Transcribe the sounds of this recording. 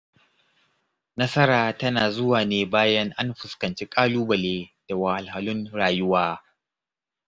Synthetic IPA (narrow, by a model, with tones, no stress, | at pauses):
nɐ˦sɐ˦ɾaː˨tɐ˦naː˨zʊ˦waː˨neː˦baː˦jɐ˦ŋʔa˦nɸʊ˨skɐ˨nt͡ʃeː˦kʼaː˦luː˦bɐ˨leː˦d̥a˨wa˨ha˨lha˨lʊ˦nɽaː˨jʊ˦waː˦